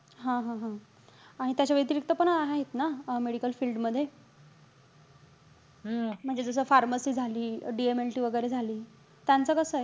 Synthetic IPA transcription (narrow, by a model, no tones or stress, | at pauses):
ɦãɦãɦã | aɽ̃it̪jat͡ɕaʋet̪̬iɾik̚t̪əpəɳaɦaɦet̪nameɽikəlfiːlɖməd̪ʱːje | m̤əɳd͡zed͡zəs̬əːfaɾməsiːd͡zʱaliːɖiemelʈiːʋəɡəjɾed͡zʱaliː | t̪jant͡səkəsəːe